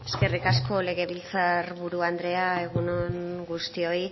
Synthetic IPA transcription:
e̞ske̞rikasko̞le̞ɣe̞βilt͡saɾβuɾuand̪ɾe̞ae̞ɣunonɡust̪io̞i

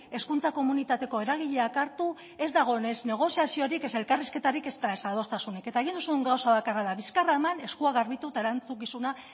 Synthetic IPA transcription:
e̞skunt͡sako̞munit̪at̪e̞ko̞e̞ɾaɣiʎe̞akaɾt̪u | e̞zd̪aɣ̞o̞ene̞zne̞ɣ̞o̞siasio̞ɾike̞se̞lkariske̞t̪aɾike̞st̪aesaðo̞st̪asunike̞t̪aeɣind̪usuuŋɡawsaβakaraðaβiskaraemane̞skuaɣaɾβit̪ut̪ae̞ɾant͡sukisuna

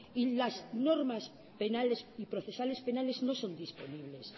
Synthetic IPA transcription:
ilazno̞ɾmas | pe̞nalesipɾoθe̞sale̞spe̞nale̞zno̞so̞nd̪ispo̞niβle̞s

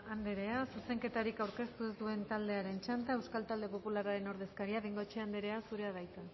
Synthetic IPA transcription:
and̪eɾe̞asuse̞ŋke̞t̪aɾikawɾke̞st̪uezd̪ue̞nt̪ald̪e̞aɾe̞nt͡ʃant̪ae̞wskalt̪ald̪e̞po̞pulaɾaɾe̞no̞ɾð̞e̞skaɾiaβejŋɡo̞et͡ʃe̞and̪eɾe̞asuɾe̞aðajt̪e

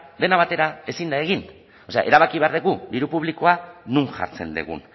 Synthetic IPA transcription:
d̪e̞naβat̪e̞ɾae̞sind̪aeɣin | o̞se̞a̰ʔe̞ɾaβakiβe̞aɾðeɣud̪iɾupuβ̞liko̞anuŋʝa̰ɾt͡se̞̰nd̪ḛɣṵn

